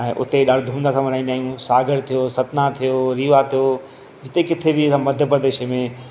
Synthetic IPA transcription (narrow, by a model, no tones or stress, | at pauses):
ɛ̃ːʔʊ̰t̪eɗaːɽ̤d̪ʱũːmnd̪asãmɐɾ̤aːĩnd̪aːijũsaːɡəɽt̪ʰijosɐt̪nat̪ʰijoɾiːʋat̪ʰijo | d͡ʑɪt̪ekɪt̪ʰebʱɪsãːmɐd̪ʱjəpɾəd̪eːʃemẽ